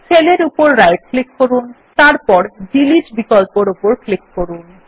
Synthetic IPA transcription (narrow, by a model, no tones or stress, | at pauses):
t͡ɕʰeleɾupoɾːajʈ̚klikːoɾun | t̪aɾpɔɾd͡ʑiliʃbikɔlpoɾupoɾklikːoɾun